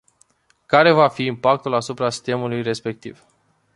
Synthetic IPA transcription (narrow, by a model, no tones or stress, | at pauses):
kaɾe̞vafiːmpak̚t̪ulasupɾasi̥t̪e̞mulujɾe̞spe̞k̚t̪ḭv